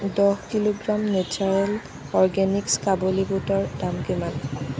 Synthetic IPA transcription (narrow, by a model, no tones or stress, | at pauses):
dɔhkiloɡɹamnet͡ʃʰaɹɛl | ɔɹɡɛnikskabolibutɔɹdamkiman